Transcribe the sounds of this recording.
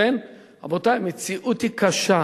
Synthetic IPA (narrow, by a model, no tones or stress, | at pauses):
en | abotajmet͡siʔutikaʃa